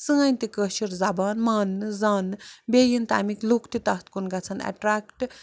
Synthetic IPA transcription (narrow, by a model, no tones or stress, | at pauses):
sɨŋanʲt̪ikəʃiɾzabaːnmaːnːɨzaːnɨbeːjint̪a̰ːmiklukt̪it̪ɐht̪kunɡɐt͡sʰɐnɐ̰ʈɾakʈ